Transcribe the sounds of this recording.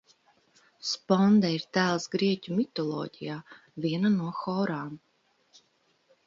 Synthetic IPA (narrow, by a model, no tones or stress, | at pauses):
spɔnd̪aiɾt̪æːlˠsɡɾiɛcʲumʲit̪ɔlˠɔ̰ːɟijaː | vʲiɛnanuɔxɔːɾaːm